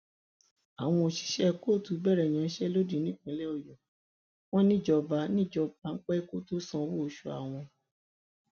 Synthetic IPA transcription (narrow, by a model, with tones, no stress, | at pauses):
a˨w̃ɔ̃˧o˨ʃi̥˨˧˦ʃɛ˦ko˦˨tu˨˧˦bɛ˦˨ɾɛ˨j̃ã˨˦ʃɛ˦lo˦di˦˨˦nĩ˦k͡pɛ̃˨˦lɛ˦ɔ˧˨jɔ˨ | w̃ɔ̃˦nĩ˦˨d͡ʒɔ˧ba˨˦nĩ˦˨d͡ʒɔ˧ba˨˦ŋ̩˦k͡pɛ˦ko˦to˦sɔ̃˦˧wo˦˨ʃu˨˧a̰˨w̃ɔ̃˧